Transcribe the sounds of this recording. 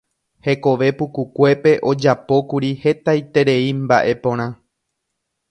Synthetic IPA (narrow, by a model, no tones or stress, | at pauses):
he̞ko̞ʋe̞pukukʷe̞pe̞ʔo̞d͡ʒapo̞kuɾihe̞t̪ajt̪e̞ɾe̞imbaʔe̞põ̞ɾ̃ã